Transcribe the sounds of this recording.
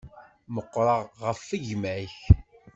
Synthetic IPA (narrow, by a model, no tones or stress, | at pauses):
məqːɾˤɑʁʁəfːəʝmæç